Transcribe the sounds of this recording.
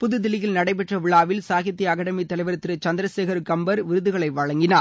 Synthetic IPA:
pʊðɯd̪ɪlɪjɪlnɐɽɐɪp̬ɛʈrɐʋɪɭaːʋɪlsaːɣjɐt̪ːiɐkɐɽɐmit̪ːɐlɐɪʋɐɾɐt̪ːɪɾɯt͡ʃɐnd̪ɪɾɐseːɣɐɾkɐmbɐɾʋɪɾɯðɯɣɐɭɐɪʋɐɻɐŋɡɪnaː

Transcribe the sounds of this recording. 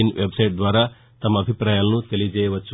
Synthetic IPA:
inʋʔebsɐjʈ̚d̪ʋaːɾɐ | t̪ɐmːɐbʱipɾaːjɐlnut̪elid͡ʒeːjʋɐt͡ʃːu

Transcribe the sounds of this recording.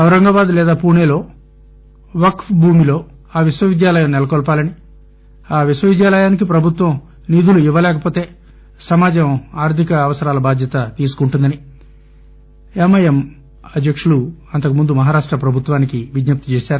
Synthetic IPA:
ɐwɾɐŋɡɐbaːd̪ulɛːd̪aːpuːneːlo̞ː | ʋɐkfbʱuːmilo̞ː | aːʋiʃʋɐʋid̪jaːlɐjɐmnɛlɐkɔːlpaːlɐni | aːʋiʃwɐʋid̪jaːlɐjaːnik̬ipɾɐbʱut̪ʋɐm | niːd̪uluiʋːɐlɛːkɐpoːt̪eː | sɐmaːd͡ʒɐmaːɾt̪ʰikɐːʋɐsɐɾaːlɐbaːd̪ʱjɐt̪ɐt̪iːsu̥kuɳʈund̪ɐni | emɐjɐm | ɐd̪ʱjɐkʂuluɐnt̪ɐkumund̪umɐɦaːɾaːʂʈɾɐpɾɐbʱut̪ʋaːnikiʋid͡ʒ̪nɐp̚t̪i̥t͡ʃeːʃaːɾu

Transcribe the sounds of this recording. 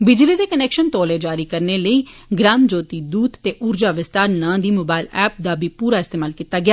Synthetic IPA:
bɪd͡ʒliːd̪eːkənɛːkʃənt̪ɔːleːd͡ʒaːɾiːkəɾneːləiː | ɡɾaːmd͡ʒoːt̪iːd̪uːd̪t̪eːʔʊɾd͡ʒaːʋɪst̪aːɾnãːd̪iːmoːbaːɪlɛːp̚d̪aːbʱiːpuːɾaːɪst̪eːmaːlkiːt̪aːɡɪjaː

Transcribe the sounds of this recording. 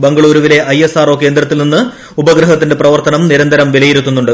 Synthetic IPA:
bɐŋɡɐɭuːɾuʋile̞ʔɐjesaːro̞k̬ːe̞ːnd̪ɾɐt̪ːilninːɨ | ubɐɡɾɐɦɐt̪ːinde̞prɐʋɐrt̪ɐnɐmniɾɐnd̪ʱɐɾɐmʋilɐjiɾut̪ːunːuɳɖɨ

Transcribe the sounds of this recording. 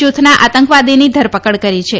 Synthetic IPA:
ut̪ʰnaʔat̪əŋkʋad̪inid̪ʱəɾpəkəɭkəɾit͡ʃʰe

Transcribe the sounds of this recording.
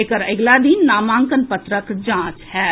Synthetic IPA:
ekəɾəɡlad̪iːnːaːmãːŋkənpət̪ɾəkd͡ʒãːt͡ʃɦɛː

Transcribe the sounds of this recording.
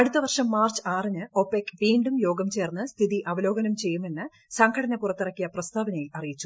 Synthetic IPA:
ɐɽut̪ːɐʋɐrʂɐmːaːrt͡ɕɨ̥aːrinɨo̞pːekːʋiːɳɖumjo̞ːɡɐmt͡ɕe̞ːrnːɨst̪ʰiðiʔɐʋɐlo̞ːɡɐnɐmt͡ɕe̞jːume̞nːɨ | sɐŋɡʰʱɐɽɐnɐpurɐt̪ːirɐkːijɐprɐst̪ʰaːʋɐnejilɐrijit͡ɕːu̥

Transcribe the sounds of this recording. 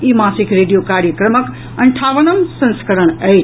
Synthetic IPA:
imasikɾeɖijokaɾjəkɾəmək | ɐɳʈʰaʋənəmsə̃nskəɾəɳ̃əjt͡ʃ

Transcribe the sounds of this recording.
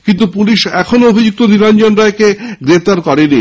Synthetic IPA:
kint̪upuliʃɛkʰonoobʱid͡ʑuk̚t̪oniɾand͡ʑonɾaekeɡɾep̚t̪aɾkɔɾeni

